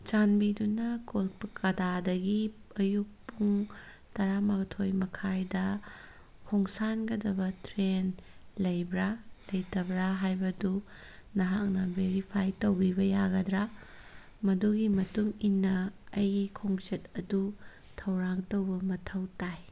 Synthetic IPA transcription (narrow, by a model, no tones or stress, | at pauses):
t͡ʃanbidunɐkolk̚pɐkʰɐdadɐɡiɐjuk̚puŋ | tɐɾamaktʰojmɐkʰajdɐ | kʰoŋsanɡɐdɐbɐtɾenlɐjbɾalɐjtɐbɾaɦajbɐdu | nɐɦak̚nɐbeɾipʰajtɐwbibɐjaɡɐdɾa | mɐduɡimɐtuŋinːɐɐjkʰoŋt͡ʃɐt̚ɐdu | tʰɐwɾaŋtowbɐmɐtʰɐwtaj